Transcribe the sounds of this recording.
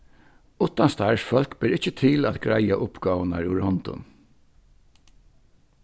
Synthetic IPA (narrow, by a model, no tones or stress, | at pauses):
ʊt̪ːanst̪aɹsfœl̥kbɪɾɪht͡ʃət̪ʰɪlæ̰ːðɡɹajaʔʊpɡ̥aːwna̰ɹʉɹhɔnt̪ʊ̰n